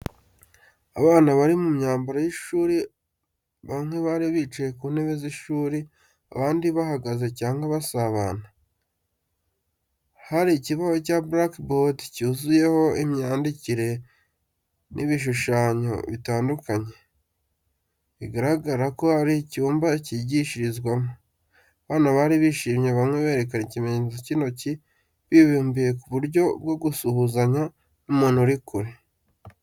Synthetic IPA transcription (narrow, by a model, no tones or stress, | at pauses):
a̰βaːnaβaɾimumɲaːmbaɾojiʃuːɾi | βaŋ̥weβaɾiβit͡ʃajekuːneβeziʃuːɾi | a̰βaːndiβahaɡazecaːŋɡaβasaβana | haɾiciβaho̞caːbɾakbotcuːzuje̞ho̞imɲaːndiciɾe̞ | nʔiβiʃ̬uʃaːɲo̞̰βitaːndukaɲe̞ | iɡaɾaɡaɾako̞haɾicuːmbaciɟiʃiɾizɡwamo | βaːnaβaɾiβiːʃiːmɲe̞βamŋe̞βe̞ːɾe̞kanicimezocino̞ci | βiβuːmbije̞kuβuɾjo̞bɡo̞ɡusuhuzaɲa | umuːnuɾikuɾi